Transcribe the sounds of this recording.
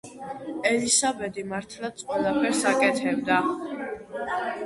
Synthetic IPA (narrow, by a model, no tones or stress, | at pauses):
ɛlisabɛd̪imaɾt̪ʰlˠat̪sʰʼqʼwɛlˠapʰɛɾsakʼɛt̪ʰɛbd̪a